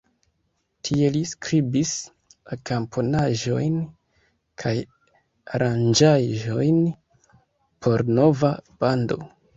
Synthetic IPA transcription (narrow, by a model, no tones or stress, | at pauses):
tʰie̞liskɾibis | akampʰonaʒo̞̰jn | kʰaj | aɾand͡ʒaʒo̞jn | pʰo̞ɾno̞vab̥ando̞̰